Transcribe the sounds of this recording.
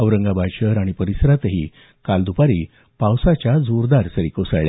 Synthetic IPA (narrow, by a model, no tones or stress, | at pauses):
əʋɾəŋɡabʱaɕəɾaɽ̃ipəɾisɾat̪əɦiː | kald̪upaɾiː | pawsat͡ɕjad͡zoɾd̪aɾsəɾikosaɭɭja